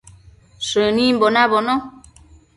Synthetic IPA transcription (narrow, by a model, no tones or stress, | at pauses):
sənim̩bɔnabɔnɔ